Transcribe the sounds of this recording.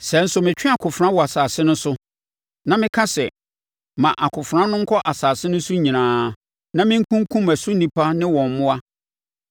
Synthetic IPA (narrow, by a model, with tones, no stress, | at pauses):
sɛ˨n̩˦sʊ˨mɪ̃˨t͡ɕᶣɪ̃˦a˨kʰʊ˨fɾã˦wɔ˨a˨saː˨sɪ˦nʊ̃˦n˦sʊ˦ | nã˨mɪ̃˦kʰã˦sɛ˨ | mã˨ʔa˨kʰʊ˨fɾã˦nʊ̃˦ŋ̩˦kʰɔ˦ʔa˨saː˨sɪ˦nʊ̃˦sʊ˦ɲĩ˨nãː˨˦ | nã˦mɪ̃˦ŋ̩˦kʰũ˦ŋ˦kʰũ˦mæ˨sʊ˦nĩ˨pʰa˦nɪ̃˦wɔ̃˨m˨mʊ̃˦a˦